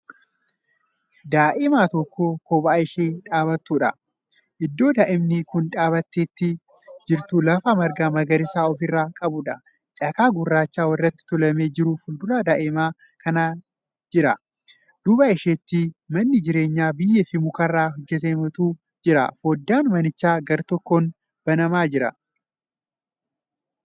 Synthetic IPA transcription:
d̪aːʔɪmaːt̪ɔkːoːkoːbaːɪʃeːᶑaːbɐt̪ːuːᶑɐ | ʔɪd̪ːo̞ːd̪aːʔɪmnɪkʊnᶑaːbɐt̪ːeːt̪ːɪ | d͡ʒɪɾt̪ulɐfamɐɾɡaːmɐɡɐɾɪsaːɔfɪrːaːkʼɐbʊᶑɐ | ᶑɐkaːɡʊrːaːt͡ʃːaːwɐrːɐt̪ːɪ̥t̪ʊlɐme̞ːd͡ʒɪɾufʊld̪ʊlaːd̪aːʔɪmaː | kʰɐnaː | d͡ʒɪɾɐ | d̪̥ʊbaɪʃeːt̪ːiːmɐnːɪd͡ʒɪɾe̞ːɲːaːbɪjːɛfɪmʊkɐrːaːɦɔd͡ʒːɛt̪̬eːmɐt̪uː | d͡ʒɪɾɐ̰foːd̪ːaːnmɐnɪt͡ʃːaːɡɐɾt̪ɔkːoːn | b̥ɐnɐmaːd͡ʒɪɾɐ̰

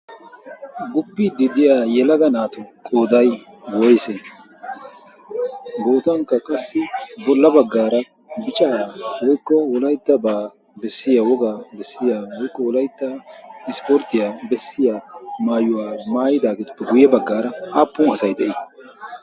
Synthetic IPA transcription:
ɡʊbːiːd̪ɪd̪ɪjaːjɛlɐɡɐnaːt̪ʊkʼoːd̪ɐj | wɔjsɛ | ɡoːt̪ɐŋkːɐkʼɐsːɪbɔlːɐbɐɡːaːɾɐ | bɪt͡ʃʼɐawɔjkːɔwɔlɐjt̪ːɐbaː | bɛsːɪjawɔɡaːbɛsːɪjaːwɔjkːɔwɔlɐjt̪ːɐɪspɔɾt̪ːɪjabɛsːɪjaːmaːjʊwaːmaːjɪd̪aːɡɛt̪ʊ̥pːɛɡʊjɛbɐɡːaːɾɐʔaːpːʊnɐsɐjd̪ɛʔɪ

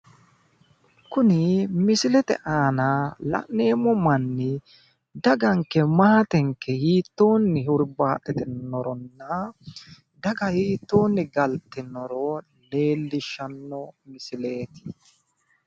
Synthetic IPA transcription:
kʊnɪmɪsɪlɛt̪ɛ̰ʔaːnalɐ̰ʔnːe̞ːmɔmɐnːɪ | d̪ɐɡɐŋkːɛmaːt̪ɛŋkːɛhiːt̪ːo̞ːnːɪɦʊɾbaːt̪ʼːɛt̪ɛnɔɾɔnːɐ | d̪ɐɡɐhiːt̪ːo̞ːnːɪɡɐlt̪ːɪnɔɾɔ | le̞ːlːɪʃːɐnːɔmɪsɪle̞ːt̪ɪ̥

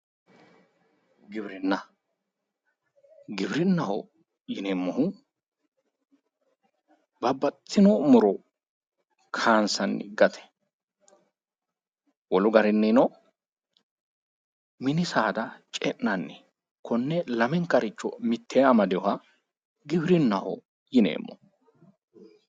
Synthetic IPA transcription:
ɡɪbɾɪnːɐ | ɡɪbɾɪnːɐhɔ̰ | jɪnɛmːʊhʊ | bɐbːɐt̪ʰːɪnɔmʊɾɔ | kʰaːnsɐnːɪ̰ɡɐt̪ʰɛ̥ | wɔlʊɡɐɾɪnːɪnɔ | mɪnɪsaːd̪ɐt͡ʃʼɛʔːɐnːɪ | kʰɔnːɛlɐmɛŋkɐɾɪt͡ʃːɔmɪt̪ʰːeːɐmɐd̪ɛjɔhɐ | ɡɪbɾɪnːɐhɔ̰ | jɪnḛːmːɔ̰

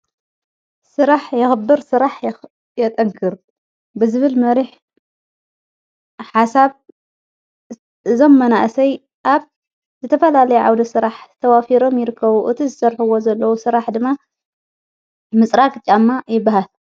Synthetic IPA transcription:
sɨɾaħjɐxbːɨɾsɨɾaħj | jɐt̪ʼɐŋkʰɨɾ | bɨzɨβɨlmɐɾiħ | ħasaβ | ʔɨzo̞mːɐnaʔsɐj | ʔaβ | zɨt̪ʰɐfɐlalɐjuʕa̰wd̪ɐsɨɾaħt̪ʰɐwafiɾo̞mjɪɾɨkʰːɐβuʔɨt̪ʰizɨsɐɾħuwo̞zɐlːɐwusɨɾaħd̪ɨmːa | mɨt͡sʼɾakʼt͡ʃʼamːajɪbːaɦal

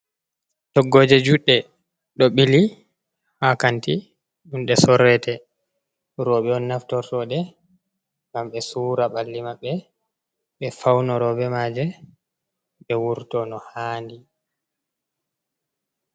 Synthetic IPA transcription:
tɔɡːoːd͡ʒɛd͡ʒuɗːɛ | ɗɔɓili | hakanti | ɗunɗɛsɔɾɛtɛ | ɾɔɓɛɔnːaftɔɾtɔɗɛ | ŋɡamɓɛsuːɾaɓalːimaɓːɛ | ɓɛfawnɔɾɔbɛmaːd͡ʒɛ | ɓɛwuɾtɔnɔhaːndi

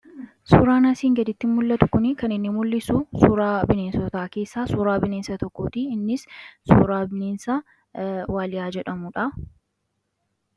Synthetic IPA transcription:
suːɾaːnaːsiːŋɡɐd̪ɪt̪ːɪmːʊlːɐt̪ʊ̥kʊnɪkɐnɪnːɪmʊlːɪsuːsuːɾaːbɪneːnsɔt̪aːke̞ːsːaːsuːɾaːbɪneːnsɐt̪ɔkːoːt̪iːɪnːɪssuːɾaːbɪneːnsa | waːlɪjaːd͡ʒɛᶑɐmʊᶑɐ

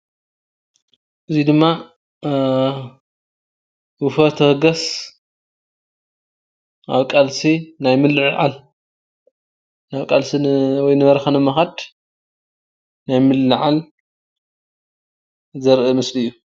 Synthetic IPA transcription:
ʔɨzid̪ɨmːa | wɨfɐt̪ʰɨhɡɐs | ʔa̰βkʼalsinajmɨlːɨʕʕa̰l | aβkʼalsiwɔjnɨβɐɾɐxɐnɨmɐxad̪ | najmɨlːɨʕal | zɐɾʔɨmɨsliɨjːu

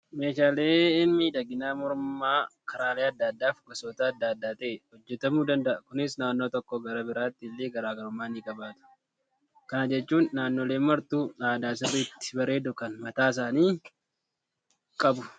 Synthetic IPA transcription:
me̞ːʃaːleːɪmːid̪ɐɡɪnaːmɔɾmaːkʰɐɾaːleːɐd̪ːad̪ːaːfɡɔsoːt̪ɐːd̪ːaːd̪ːaːt̪eːhɔd͡ʒːɛt̪ɐmuːd̪ɐnd̪ɐʔɐkʊnɪsnaːnːo̞ːt̪ɔkːɔɡɐɾɐbɪɾaːt̪ːɪːlːeːɡɐɾaːɡɐɾʊmːaːniːkʼɐbaːt̪ʊ̥ | kɐnɐd͡ʒɛt͡ʃːuːnːaːnːo̞ːle̞ːmɐɾt̪uːaːd̪aːs̬ɪrːɪt̪ːɪ̥bɐɾe̞ːd̪ʊkɐnmɐt̪aːɪs̬aːniː | kʼɐbʊ

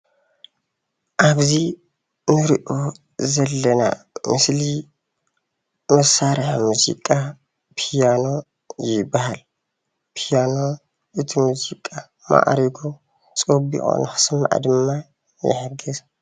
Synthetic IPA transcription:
ʔaβzi | nɨɾiʔo̞ | zɐlːɐna̰ | mɨsli | mɐsaɾħmuzḭkʼa | pʰijano̞ | jɪbːahal | pʰijano̞ | ʔɨt̪ʰimuzikʼːa | ma̰ʔɾiɡo | t͡sʼobḭxʼo̰nɨxɨ̥sm̰ʕa̰d̪ɨmːa | jɪ̰ħɨɡɨz

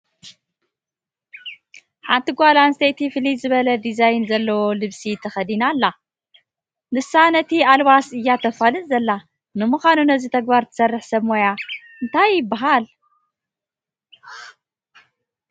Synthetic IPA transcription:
ħant̪iɡʷalanst̪ʰejt̪ʰifɨlizɨβɐlɐd̪izajnzɐlːɐwolɨβsit̪ʰɐxɐd̪inalːa | nɨsanɐt̪ʰialwasɨjːat̪ʰɐfalɨnzɐlːa | nɨmuxʷanunɐzit̪ʰɐɡ̚baɾt̪ʰɨ̥sɐrːɨħsɐβmoja | ɨnt̪ʰajːɪbːaɦal

